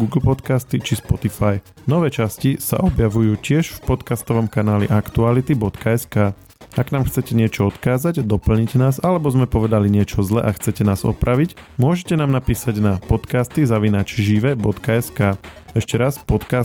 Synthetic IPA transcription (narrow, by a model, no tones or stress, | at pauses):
ɡuɡl̩pɔt̪kast̪it͡ʃispɔt̪ifaj | nɔʋɛːt͡ʃascisa̰ʔɔbjaʋujuːcɪɛʃfpɔt̪kast̪ɔʋɔmkanaːlḭʔakt̪ualit̪ibɔt̪kʰaɛskaː | aɡnaːmxt͡sɛcɛɲɪɛt͡ʃɔɔt̪kaːzaɟd̪ɔpl̩ɲiɟnaːzalɛbɔzmɛpɔʋɛd̪aliɲɪɛt͡ʃɔzlɛ̰ʔaxt͡sɛcɛnaːzɔ̰pɾʔaʋicmʊɔʒɛcɛnaːmnapiːsaɟnapɔt̪kaːst̪izaʋinat͡ʃʒiʋɛbɔt̪kaɛskaː | ɛʃcɛɾaspɔt̪ka